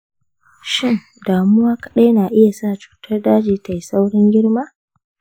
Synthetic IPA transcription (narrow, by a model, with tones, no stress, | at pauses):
ʃɪ˦ŋ | daː˨mʊ˦waː˦kɐ̥˦ɗa˦jnaː˨ʔɪ˦ja˨saː˦˨t͡ʃu̥ː˨tʰɐ˦rdaː˦d͡ʒiː˨ta˨ji˨sa˦wɽɪ˦ŋɡʲɪ˦ɽmaː˦